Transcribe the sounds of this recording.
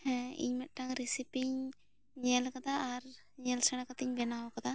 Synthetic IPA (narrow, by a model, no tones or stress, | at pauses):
ɛ̃ḭɲmɛt̪̚ˀʈaŋɾisipiɲ | ɲɛlkad̪aːɾ | ɲɛlsɛɽ̃akat̪iɲbɛnawɔkad̪a